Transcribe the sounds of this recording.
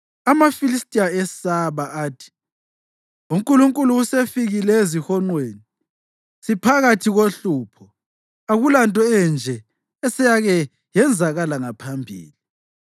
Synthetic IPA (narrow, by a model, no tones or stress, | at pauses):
amafilistʼijaɛsaβaʔaːtʰi̥ | uŋkʼuluŋkʼuluusefiɣilɛezihɔŋ͡ǃweːni | sipʰaɣatʰiɣoɬuːpʰɔ | aɣulantʼɔɛnd͡ʒʱɛ | ɛsɛjaɣɛ | jɛnd͡zʱaɣalaŋapʰambʱḭːli